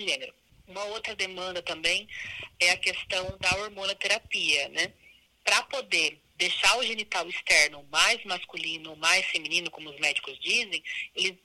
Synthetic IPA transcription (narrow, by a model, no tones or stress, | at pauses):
ɪʒẽneɾʊ | ũmɐowt̪ɾɐd̪emɐ̃nd̪ɐt̪ɐ̃mbẽj̃ɛɐkest̪ɐ̃w̃d̪ɐoɾmõnɐt̪eɾapiɐnɛ | pɾɐpod̪e | d̪ejʃaɾʊʒenit̪awist̪ɛɾnʊmajzmaskulĩnʊːmajsfemĩnĩnʊkõmʊʊzmɛd͡ʒikʊzd͡ʒizẽj̃elɪ